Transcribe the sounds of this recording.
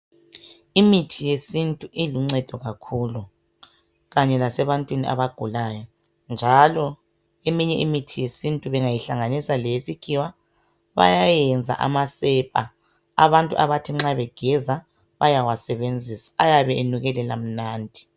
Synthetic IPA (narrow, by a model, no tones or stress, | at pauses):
imitʰijesintʼuʔiluŋ͡ǀɛd̥ʱɔɣakʰulu | ɣaɲɛlasɛβantʼwiniʔa̰βaɡ̥ʱulajɔ | nd͡ʒʱalɔ | emiɲɛʔimitʰijesintʼuβɛŋajiɬaŋanisalesiɡ̥ʱiwa | βa̰jajɛnd͡zʱa̰ʔa̰masɛpʼa̰ | a̰βantʼṵʔaβatʰiŋ͡ǁaβɛɡ̥ʱɛza | βajawasɛβend͡zʱisḁajaβɛʔenuɣɛlɛla̰m̩naːndʱi̥